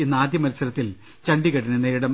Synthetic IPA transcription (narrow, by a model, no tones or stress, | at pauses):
inːaːd̪jɐmɐɾɐsɐlɐt̪ːil | t͡ɕɐɳɖiɣɐɽinɐneːɾuɽɐm